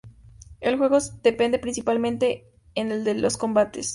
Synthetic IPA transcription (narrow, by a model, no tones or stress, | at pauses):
e̞lxwe̞ɣod̪̥e̞pe̞nd̪e̞pɾinsipalmẽnt̪e̞ | eneld̪elo̞sko̞mbat̪e̞s